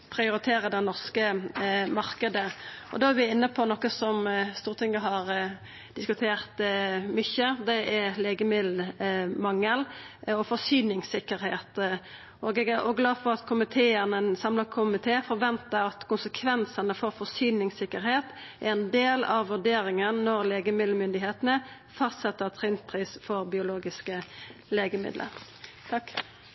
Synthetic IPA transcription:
pʰɾɪʊɾɪt̪ʰeːɾəd̪ɛnɔʁskəmɑɾkəd̪əʔɔ̰d̪ɑːæɾʋɪɪnːəpʰɔnɔkːəsɔmst̪uːʁt̪ʰɪŋːəɦɑɾ | d̪̥ɪskʉt̪ʰeːʁt̪mʏçəd̪ɛʔæleːɡəmɪlmɑŋːəlɔfɔɾsyːnɪŋsɪkːəɾheːt̪ | oɡɛɡæɾɔɡlɑːfɔɾɑt̪kʰʊmɪt̪ʰeːənəsɑmləkʰʊmɪt̪ʰeːfɔɾʋɛnt̪əɾɑt̪kʰʊnsəkʰʋɛnsənəfɔɾfɔsyːnɪŋsɪkːəɾheːt̪ʔæɾɛnd̪eːlɑʋːʉɖeːɾɪŋənːɔɾleːɡəmɪd̪l̩mʏnd̪ɪɦeːt̪ənə | fɑst̪sɛt̪ːəʁt̪ʰʁɪnt̪̚pʰɾiːsfɔɾbɪʊloːɡɪskəleːɡəmɪ̰d̪lə̰ɾ | t̪ʰɑkː

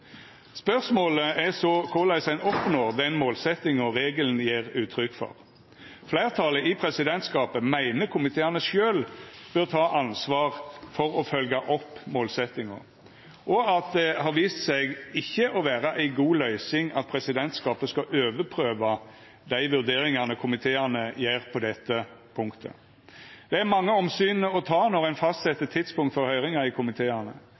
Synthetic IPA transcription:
spœʁsmoːləɛsɔkʰʊʁlæɪsæɪnɔpnoːʁd̪ɛnmoːlsɛt̪ɪŋəʁeːɡəln̩jeːʁʉːt̪ʰɾʏkːfɔ̰ʁ | flæɪʁt̪ʰɑləɪpʰʁɛsɪd̪ɛnt̪skɑːpəmæɪnəkʰʊmɪt̪ʰeːænəʃøːlb̥øːʁt̪ʰɑːʔɑnsʋɑːʁfɔʁɔfœlɡɑʔɔpːmoːlsɛt̪ɪŋə̰ʁ | ʔɔɑt̪̚d̪ɛhɑɾʋiːst̪sɛɪɡɪçːəʔɔʋæːɾɑʔæɪɡuːlœʏsɪŋɑt̪̚pʰɾɛsɪd̪ɛnt̪skɑːpəskɑʔøːʋəpʰɾøːʋɑ | d̪æɪʋʉʁd̪eːɾɪŋɑnəkʰʊmɪt̪ʰeːɑnəjæːʁpʰɔd̪ɛt̪ːəpʰʊŋkt̪ʰə̰ | d̪̥ɛæɾmɑŋːəɔmsyːnəɔt̪ʰɑːnɔʁæɪnfɑst̪sɛt̪ːət̪ʰːɪd̪spʊŋkt̪fɔɾhœʏʁɪŋɑɪkʰʊmɪt̪ʰeːɑnə

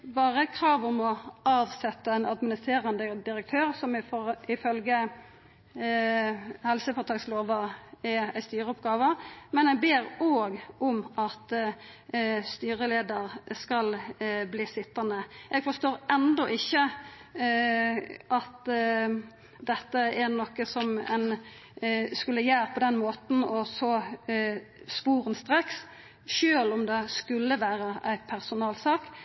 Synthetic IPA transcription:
bɑːʁəkʰɾɑːʋɔmɔʔɑːʋsɛt̪ːəɛnɑd̪mɪnɪst̪ʰʁeːɾənd̪əd̪ɪɾək̚t̪ʰøːɾsɔmɪfɪfœlɡə | hɛlsəfɔt̪ʰɑːɡsloːʋəɛæɪst̪yːɾəɔpɡɑːʋəmɛnɛɡbeːɾoːɡɔmɑt̪ | st̪yːɾəleːd̪əɾskɑlbliːsɪt̪ːɑnəʔɛɡfɔst̪oːɾɛnd̪ɔʔɪçːə | ʔɑt̪ | d̪ɛt̪ːəæɾnɔkːəsɔmɛ̰n | skʉlːəjæːɾpʰɔd̪ɛnmoːt̪n̩ɔsɔ | spuːʁənst̪ɾeːks | ʃøːlʊmd̪ɛskʉlːəʋæːɾəæɪpʰæɾsʊnɑːlsɑːk

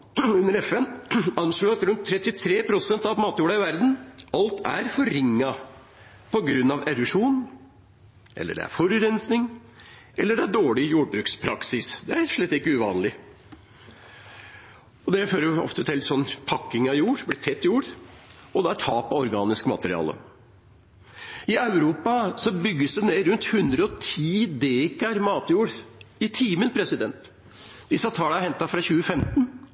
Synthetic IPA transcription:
ʉnːəɾɛfɛnɑnʂluːɑt̪ɾʉnt̪ʰːɾɛt̪ːɪt̪ʰɾeːpʰɾʊsɛnt̪ɑʋmɑːt̪juːɖɑɪʋæɾd̪n̩ɑlt̪ʰæ̰ɾfɔɾɪŋːɑ | pʰɔɡɾʉnːɑʋɛɾʉʂuːn | ʔɛ̰lːə̰ɖɛ̰æ̰ɾfɔɾʉɾɛnsnɪŋʔɛlːəɖɛæɖoːɭɪjuːɖbɾʉːkspʰɾɑksɪsd̪ɛæʂɭɛt̪ːɪkːəʉʋɑːnlɪ | ɔd̪ɛføːɾəɔ̰ft̪ət̪ʰɪlsɔnːpʰɑkːɪŋɑjuːɾblɪːt̪ʰɛt̪ːjuːɾɔd̪ɛæʈ̪ʰɑːpɑɔɾɡɑːnɪskmɑ̰t̪əɾɪ̰ɑ̰ːlə̰ | ɪɑʉɾuːpɑsɔbʏɡːəsd̪ɛneːɾʉnt̪hʉnd̪ɾəɔt̪ʰiːd̪eːkɑɾmɑːt̪juːɾɪt̪ʰiːmənpʰɾɛsɪd̪ɛnt̪ | d̪ɪsːɑt̪ʰɑːləæhɛnt̪ɑfɾɑçʉːəfɛmt̪n

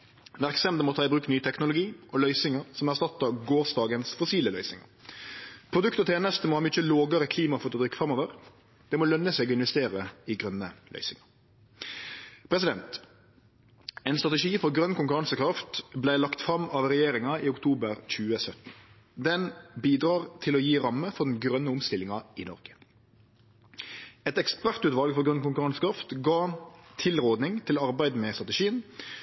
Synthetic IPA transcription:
ʋæʁksɛmd̪əmɔt̪ʰɑːɪbʁʉːknyːt̪ʰɛknʊlʊɡiːʔɔlœʏsɪŋəɾsɔmæʁst̪ɑt̪ːɑɡoːʁsd̪ɑːɡənsfʊsiːləlœʏsɪŋə̰ɾ | pʰɾʊd̪ʉkt̪ɔt̪ʰeːnəst̪moːhɑːmʏt͡ʃːəloːɡəɾəkʰliːmɑfɔt̪ːɔd̪ʁʏkːfʁɑmoːʋəɾ | d̪̥ɛmɔlœnːəsɛːɡɔɪnʋɛst̪eːɾəɪɡɾœnːəlʔœ̰ʏsɪŋɑɾ | pʰɾɛs̬ɪd̪ɛnt̪ | ɛɪnst̪ʁɑt̪ɛʂiːfɔɾɡɾœnkʊŋkʉɾɑŋsəkɾɑft̪blæɪlɑkt̪fɾɑmɑʋʁɛjeːɾɪŋɑiːʊkt̪ʰuːbəɾc͡çʉːəsœt̪n̩ | d̪ɛnbiːd̪ʁɑːʁt̪ʰɪlɔjiːɾɑmːəfɔʁd̪n̩ɡɾœnːəʊmst̪ɪlɪŋɑɪnɔ̰ʁɡ̥ə̥ | ɛt̪ɛkspæʁt̪ʉːt̪ʋɑlɡfɔʁɡɾœnkʊŋkʉʁɑŋsə̥kɾɑft̪ɡɑːt̪ʰɪlʁoːd̪nɪŋt̪ʰɪlɑʁbæɪd̪mɛst̪ʁɑt̪əʂiːən

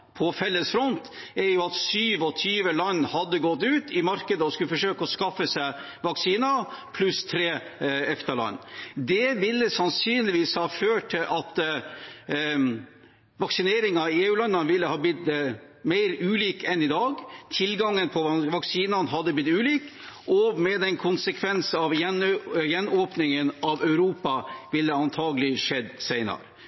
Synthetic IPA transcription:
pʰɔfɛlːəsfɾɔnt̪ɛɾjʊɑt̪syːʋɔt̪ʰyːʋəlɑnːhɑd̪ːəɡɔt̪ːʉːt̪ʰɪmɑɾkəd̪əɔskʉlːəfɔʂøːkəɔskɑfːəsæɪ | ʋɑksiːnɑpʰlʉst̪ʰɾeː | ɛft̪əɭɑ̰nːd̪ɛʋɪlːəsɑnsyːnlɪʋiːshɑːføːʈʰːɪlʔɑt̪ | ʋɑksɪneːɾɪŋɑeːʉːlɑnːɑnʋɪlːəhɑːblɪt̪̚d̪ɛ | mæɪɾʉːliːkɛnɪd̪ɑːɡt̪ʰɪlɡɑŋːənpʰɔʋɑksiːnɑnɦɑd̪ːəblɪt̪ːʉːliːk | ʔɔmɛd̪ɛnkʰʊnsəkʰʋɛnsɑʋjɛnjɛnːoːpnɪŋənɑʋœʉɾuːpɑʋɪlːəɑnt̪ʰɑːɡəlɪʂɛd̪ːsæɪnɑ̰ɾə

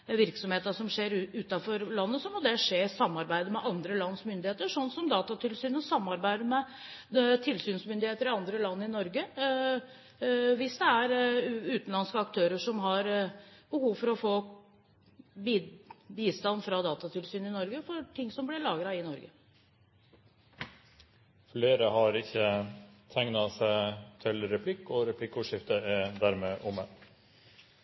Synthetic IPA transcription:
ʋɪɾksɔmheːt̪əʂɔmʂeːɾʉːt̪ɑfɔɾlɑnːəsɔmɔd̪ɛʂeːsɑmːɑɾbæɪd̪əmɛʔɑnd̪ɾəlɑnːsmʏnd̪ɪheːt̪əʂɔnːsɔmd̪ɑːt̪ɑt̪ʰɪlsyːnɔsɑmːɑɾbæɪd̪əmɛ | t̪ʰɪlsyːnsmʏnd̪ɪheːt̪əɾɪɑnd̪ɾəlɑnːɪnɔɾɡə | ʋɪsd̪ɛæɾʉːt̪n̩lɑnskəɑkt̪ʰøːɾəʂɔmɦɑɾb̥əhuːʋfɔɾɔfoː | bibiːst̪ɑnːfɾɑd̪ɑːt̪ɑt̪ʰɪlsyːnɪnɔɾɡəfɔʈʰɪŋsɔmblɪɭɑːɡɾɑɪnɔɾɡə | fleːɾəɦɑɾɪçːət̪ʰæŋnɑsæɪt̪ʰɪlɾɛpʰlɪkːɔɾɛpʰlɪkːʊʂɪft̪əæd̪æɾmeːʔʊmːə

